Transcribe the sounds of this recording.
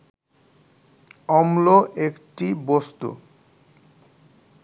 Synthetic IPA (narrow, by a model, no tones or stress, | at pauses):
ɔmloʔekʈibost̪ṵ